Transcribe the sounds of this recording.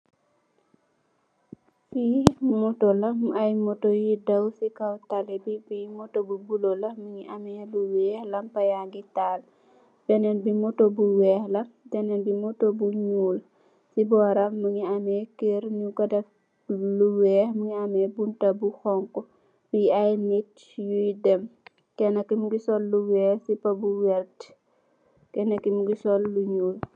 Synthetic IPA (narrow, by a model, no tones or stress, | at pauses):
simɔtolɐmɐjmɔtojidɐwsikɐwtalɛbibimɔtobubulolɐməŋiʔɐmɛluwɛːhlɐmpɐjaŋɡitaːl | dɛnɛnbimɔtobuwɛːhlɐmdɛnɛnbimɔtobuɲuːl | sibɔːɾɐmːuŋiɐmɛkeɾɲukɔdɐf | luwɛːhmuŋiɐmɛbuntɐbuxɔŋkɔ | biɐjnit | jujdɛm | kɛnɐkimuɡisɔlːuwɛːhsipɐbuwɛrt | kɛnɐkːimuɡisɔlːuɲuːl